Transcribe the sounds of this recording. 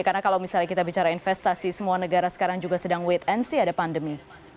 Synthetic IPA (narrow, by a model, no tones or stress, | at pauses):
karnakalawmisalakit̪abit͡ʃaɾainfɛst̪asisəmuanəɡaɾasə̥kaɾaŋd͡ʒuɡasədaŋwɛt̪ɛnsiadapandəmi